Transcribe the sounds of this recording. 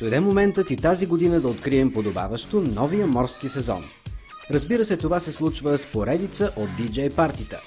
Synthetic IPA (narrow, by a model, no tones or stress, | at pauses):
d̥̪ojd̪ɛmomɛnt̪ət̪it̪aziɡod̪inəd̪ɐot̪kɾiɛmpod̪oba̰vəʃt̪onɔvijəmɔɾskisɛzɔ̰n | ɾəzbiɾəsɛt̪ovasɛslˠut͡ʃvəspoɾɛd̪it̪səʔod̪̚ːid͡ʒɛjpaɾt̪it̪ə̰